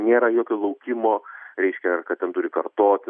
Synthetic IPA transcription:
nʲeːɾɐjoːkʲoːlˠɐʊkʲɪmoːɾʲɛɪʃʲkʲɛrkɐt̪tʲɛnt̪ʊɾʲɪkɐrt̪oːt̪ʲɪ

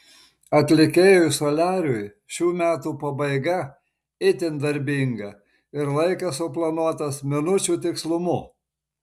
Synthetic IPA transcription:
ɐt̪ʲlʲɪkʲeːjojsolʲæːɾʲʊj | ʃʲuːmʲæːt̪uːpɐbɐɪɡɐ | ɪt̪ʲɪnd̪ɐɾʲbʲiŋɡɐ | ɪɾlˠɐɪkɐsʊplˠɐnuɔt̪ɐsmʲɪnʊt͡ʃʲuːt̪ʲɪkslˠʊmʊ

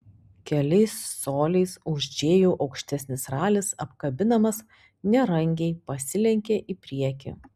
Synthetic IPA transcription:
kʲɛlʲɛɪsːoːlʲɛɪsʊʒʲd͡ʒʲeːjuːʔɒʊkʃʲt̪ʲɛsʲnʲɪsɾɑːlʲɪsɐpkɐbʲɪnɐmɐs | nʲɛɾɐŋʲɡʲɛɪpɐsʲɪlʲɛŋʲkʲeʔiːpʲɾʲiɛkʲɪ̰

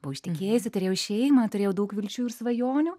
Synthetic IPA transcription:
bʊʋɐɪʃʲt̪ʲɪkʲeːjɛsʲɪt̪ʊɾʲeːjʊʃʲɛɪjmɐt̪ʊɾʲeːjɛʊdɐʊkʋʲɪlʲt͡ʃʲuːɪɾsʋɐjoːnʲuː

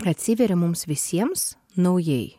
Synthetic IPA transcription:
ɐt̪ʲsʲɪʋʲɛɾʲɪmʊmsʋʲɪsʲiɛms | nɐʊjɛj

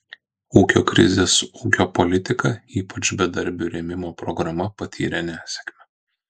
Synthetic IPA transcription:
uːkʲo̰ːkɾʲɪ̰zʲeːsuːkʲoːpɔlʲɪt̪ʲɪkɐiːpɐt͡ʃbʲɛd̪ɐɾʲbʲuɾʲɛmʲɪmoːpɾɔɡɾɐmɐpɐt̪ʲʰḭːɾʲɛnʲæːsʲɛ̥kmʲɛ

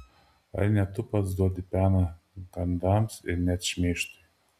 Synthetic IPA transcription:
ɐ̰ɾnʲɛt̪ʊpɐt̪sd̪uɔd̪ʲɪpʲæːnɐ | ɡɐnd̪ɑmsɪ̰ɾnʲɛt̪ʃʲmʲeːʃt̪ɐ

